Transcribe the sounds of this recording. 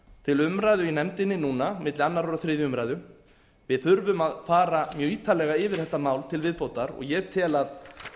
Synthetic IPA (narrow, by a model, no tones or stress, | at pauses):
t̪ʰɪlʏmɾaːjðʏinɛmt̪ɪnːɪnuːnamɪt̪lɪanːaɾoɾaθɾɪːðjʏʏmɾajðʏ | vɪðθʏɾvʏmaðfaːɾamjœːiːt̪ʰalɛɣaɪvɪɾθɛht̪ːamaːwlt̪ʰɪlvɪðpowt̪aɾɔ̰ɣjɛt̪ʰɛːlað